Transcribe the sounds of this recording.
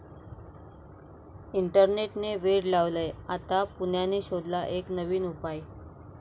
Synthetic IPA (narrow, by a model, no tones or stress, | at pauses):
iɳʈəɾneʈneʋeɽlaʋləjat̪apunjaneɕod̪ʱlaʔeknəʋiːnupaj